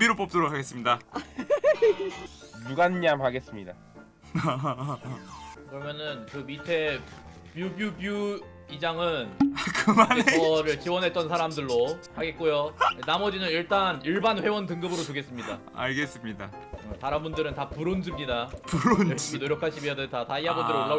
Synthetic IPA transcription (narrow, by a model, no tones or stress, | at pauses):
biɾop͈ʌp̚t͈oɾok̚ʰaɡe̞s͈ɯmɲida | juɡanɲamhaɡe̞s͈ɯmɲida | kɯɾʌmjʌnɯnkɯmitʰe̞ | pjubjubju | id͡ʑaŋɯnkɯmaneʌɾɯɭt͡ɕiwʌnɦe̞t̚t͈ʌnsʰaɾamdɯɭːohaɡe̞t̚k͈ojonamʌd͡ʑinɯniɭt͈aniɭbanɸwe̞wʌntɯŋɡɯbɯɾotoɡe̞s͈ɯmɲida̰ | a̰ɭɡes͈ɯmɲida | ɯtaɾambundɯɾɯntapuɾond͡ʑɯmɲidapuɾonɕminoɾjʌkʰaɕʰibiʌdetataiɦabunɯɾoɭːa